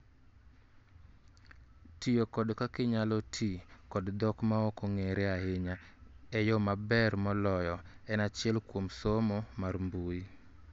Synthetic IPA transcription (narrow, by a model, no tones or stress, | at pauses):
tijokɔdkakɪɲalɔtʰikɔdd̪ɔkmaɔkoŋeɾeaɪɲa | ɛjɔmabɛrmɔlɔjɔɛnat͡ʃɪɛlkwomsomɔmarmbui